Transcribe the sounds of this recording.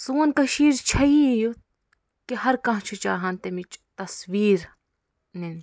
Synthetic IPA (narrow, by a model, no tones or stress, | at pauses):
suːnkɐʃiːɾt͡ʃʰɐiju | kihɐɾkɐ̃ːt͡ʃʰut͡ʃaːɦɐnt̪emit͡ʃt̪ɐsʋiːɾ | nin